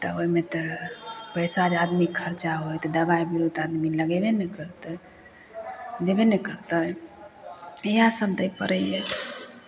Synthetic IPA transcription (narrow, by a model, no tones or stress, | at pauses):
t̪əoimet̪əpəjsad͡ʒad̪mikʰəɾt͡ʃaɦojt̪əd̪əbaibiɾod̪ʱad̪miləɡɛbenekəɾt̪ə | d̪ebenekəɾt̪ə | ejasəbd̪əjpəɾəjet͡ʃʰ